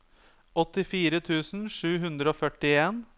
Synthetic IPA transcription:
ɔt̪ɪfiːɾət̪ʰʉːsn̩ʂʉːɦʉnd̪ɾəoːfœʈɪeːn

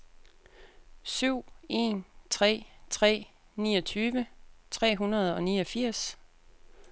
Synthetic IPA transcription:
syʊ̰e̝nt͡sʰʁɛ̰ːt͡sʰʁɛ̰ː | niːɒ̽t͡sʰyːʋət͡sʰʁɛ̰ːɦunɐð̞ˠɒ̽niːʌ̽fiɐ̰s

